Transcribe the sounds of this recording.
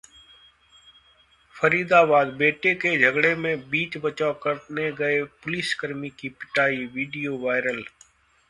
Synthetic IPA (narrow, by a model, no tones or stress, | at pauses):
fʰəɾiːd̪aːbaːd̪beːʈeked͡ʒʱəɡɽeːmẽbiːt͡ʃbət͡ʃaːkəɾt̪neɡəeːpʊlɪskəɾmiːkipɪʈaːiːʋiːɖijoːʋaːɪɾəl